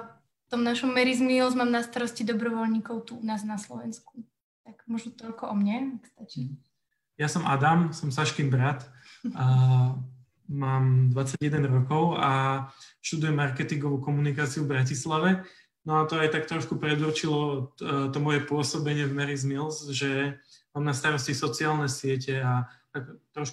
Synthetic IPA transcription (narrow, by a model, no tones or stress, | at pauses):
t̪ɔmnaʃɔmːɛɾizmilzmaːmnast̪aɾɔscid̪ɔbɾɔʋɔlɲiːkɔʊt̪uunaːznaslɔ̰ʋɛnsku | t̪aɡ̥mɔʒnɔt̪ɔʎkɔʔɔmɲɛakst̪at͡ʃi | jasɔmʔad̪amsɔmsaʃkimbɾat̪ | maːmd̪ʋat͡saɟjɛd̪ɛnɾɔkɔʊaʃt̪ud̪ujɛmːaɾkɛt̪iŋɡɔʋuːkɔmunikaːt͡siuvbɾacislaʋɛ | nɔat̪ɔajt̪ak̚t̪ɾɔʃkupɾɛd̪urt͡ʃilɔt̪ɔmɔjɛpʊɔsɔbɛɲɪɛvmɛɾizmilzʒɛmaːmnast̪aɾɔscisɔt͡siaːlnɛsɪɛcɛat̪akt̪ɾɔʃk